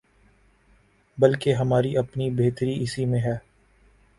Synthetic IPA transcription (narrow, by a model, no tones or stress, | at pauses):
bɐlkeɦɐmaːɾiʔɐpnibeːt̪əɾiʔɪsimẽɦɛː